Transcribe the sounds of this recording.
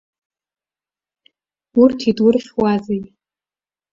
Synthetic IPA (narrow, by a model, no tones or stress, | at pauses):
urtʰidwʊrχʲwazej